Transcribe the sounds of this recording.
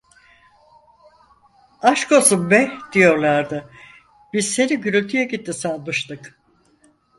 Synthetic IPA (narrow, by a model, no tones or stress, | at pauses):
aʃkʰo̞sumbɛd̪̥ijo̞ɾlˠaɾd̪ɯ | b̥izse̞niɟyɾylʲt̪ʰyjɛɟit̪ʰːisalˠmɯʃt̪ɯk